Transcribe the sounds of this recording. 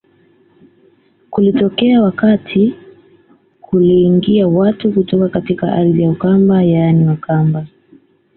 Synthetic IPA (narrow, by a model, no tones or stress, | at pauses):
kulitɔkɛawakatʰi | kʰuliːŋɡiawatukutɔkakatikaʔa̰ɾðijaukambajaniwakʰamba